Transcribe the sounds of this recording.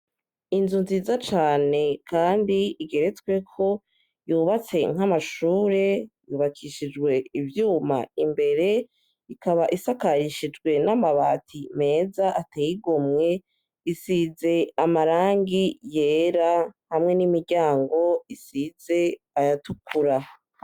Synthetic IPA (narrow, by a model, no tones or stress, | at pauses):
inzunziːzat͡ʃaːne̞kʰaːndiiɡe̞ɾe̞t͡sɡwe̞kʰo̞ | juβat͡se̞ŋ̥ɦamaʃuːɾe̞juːβakʰiʃid͡ʒɡwe̞ivjuːma̰imbe̞ɾe̞ | ikaβaʔisakaɾiʃid͡ʒɡwe̞namaβaːtʰime̞ːzaʔatejiɡomŋe̞ | isize̞amaɾaːŋɡije̞ːɾahamŋe̞nimiɾɟaːŋɡo̞isize̞ | ajatukʰuɾa